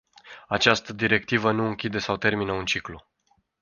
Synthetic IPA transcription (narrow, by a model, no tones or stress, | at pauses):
at͡ʃast̪əd̪iɾe̞k̚t̪ivənuɨŋkʲid̪e̞sawt̪e̞rminəunt͡ʃiklu